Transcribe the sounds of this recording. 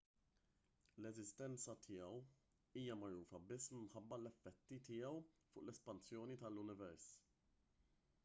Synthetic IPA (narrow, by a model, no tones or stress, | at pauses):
lɛzɪst̪ɛnt͡sɐt̪ʰɪjɛw | iːjɐmɐɾuːfɐbɪsːɪmħɐbːɐlɛfːɛt̪ːit̪ɪːɛwfʊ̰ːʔlɛspɐnsjɔːnit̪ɐlːʊnɪvɛɾs